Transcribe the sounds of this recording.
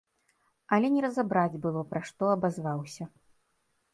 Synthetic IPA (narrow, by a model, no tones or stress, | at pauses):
ɐlʲɛnʲɛɾɐzabɾad͡zʲbɨlˠɔpɾaʂt̪ɔɐbazvawsʲɐ